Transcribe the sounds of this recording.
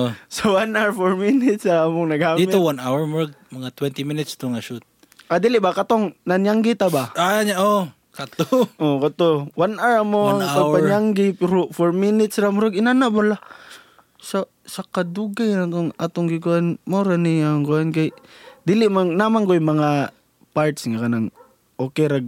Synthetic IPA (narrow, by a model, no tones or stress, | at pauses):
osawanawɹfoɹmɪnɪt̪saːmoŋnɐɡaːdimɪowanawɛɹmʊɾaɡ̚mɐŋat̪wɛnt̪iminɪt̪st̪oŋaʃut̪̚ | ad̪iːlɪʔbakat̪oŋnanjaŋɡɪt̪abaʔaɲaʔo | kat̪oʔokat̪owanaɹamoanŋaɡ̚paɲaŋɡɪpɛɾofoɹmɪnɪt̪sɾamʊɾaɡɪnanaʔbala | sa | sakad̪uɡajnat̪oŋat̪oŋɡɪkuʔanmoɾanɪaŋɡoʔankajd̪ilɪʔmaŋnaːmaŋkojmɐŋa | paɾt̪sŋakɐnaŋ | ʔoːkɛɾaɡ̚